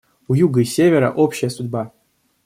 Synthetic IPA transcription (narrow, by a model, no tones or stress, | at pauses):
ujuɡəisʲevʲeɾə̰ʔopɕɪjəsʊdʲba